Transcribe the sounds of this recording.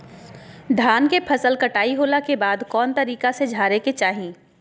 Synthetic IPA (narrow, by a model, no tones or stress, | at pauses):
ɖ̪ʱaːnkepʰɐsəlkɐʈaːiɦoːlakebaːd̪kɔːnt̪ɐɾiːkased͡ʒʱaːɾeket͡ʃaːɦĩː